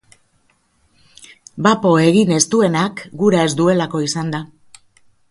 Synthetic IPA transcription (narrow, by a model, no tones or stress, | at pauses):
bapo̞e̞ɣine̞st̪ue̞nakɡuɾae̞zd̪ue̞lako̞isand̪a